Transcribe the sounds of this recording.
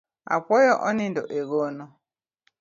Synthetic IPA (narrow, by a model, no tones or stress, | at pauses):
a̰pɔjɔʔɔnindɔ̰ʔeɣɔnɔ